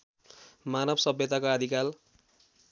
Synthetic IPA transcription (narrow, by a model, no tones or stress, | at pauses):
manʌbʌsʌbjʌt̪akaʌd̪ʱikal